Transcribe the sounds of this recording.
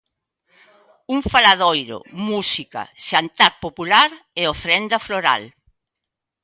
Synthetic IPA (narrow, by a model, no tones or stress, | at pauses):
uŋfalað̞ojɾʊ̰musikɐ̰ʃant̪aɾpopulaɾeofɾɛnd̪ɐfloɾa̰l